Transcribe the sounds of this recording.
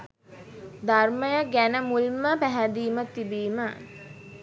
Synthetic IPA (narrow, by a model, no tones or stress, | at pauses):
d̪arməjəɡænəmulməpæɦæd̪iːmət̪ːibiːmə